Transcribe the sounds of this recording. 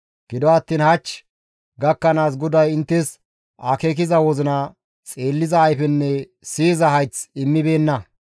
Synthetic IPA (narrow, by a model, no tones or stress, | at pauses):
ɡ̥ɪd̪ɔɐt̪ːiːnhɐt͡ʃː | ɡɐkːɐnaːs̬ɡɔd̪ɐjɪnt̪ːɛs | ʔakek̬ɪzɐwɔzɪnɐ | t͡sʼe̞ːlːɪzɐːjfɛnːɛ | siːzɐhɐjt͡sɪmːɪbe̞ːnːɐ